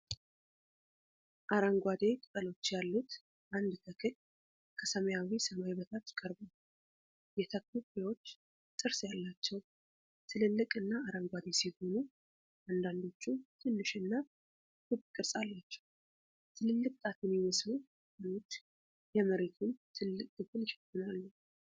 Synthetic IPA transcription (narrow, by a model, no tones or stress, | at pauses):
ʔaɾəŋɡʷad̪e̞k̪ʼɨt̪ʼəlo̞t͡ʃːjalːut̪ | ʔand̪t̪ʰəkʰɨɲ | kʰəsəməjawisəmajβət̪ʰat̪kʼəɾba | jɛt̪ʰəkːubewo̞t͡ʃː | t̪ʼɨɾsjalːat͡ʃːɛw | t̪ʰɨlɨlːɨkʼɨnːaaɾəmɡʷad̪e̞sihonu | ʔand̪and̪o̞t͡ʃːut̪ʰɨnːɨʃɨnːa | kʰɨbkʼɨɾsʼalːat͡ʃːɛ̥w | t̪ʰɨlɨlːɨkʼt̪ʼat̪ʰɨnjɪməslu | hanot͡ʃː | jɛməɾe̞t̪ʰunt̪ʰɨlːɨkʼt̪ɨkʰɨnʃɛ̥t̪ːɨnalːu